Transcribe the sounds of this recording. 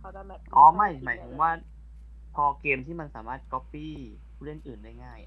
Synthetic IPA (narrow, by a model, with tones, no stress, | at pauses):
ʔɔː˨˦ma˥˩jmaː˨˩˦jt̪ʰɯ˩˦mwaː˥˩ | pʰɔː˧keː˧mt̪ʰiː˥˩ma˧nsaː˩˦maː˥˩t̪̚kɔ˦˥pːiː˥˩ | pʰuː˥˩le˥˩nʔɯː˨˩ndaː˥˩jŋaː˥˩j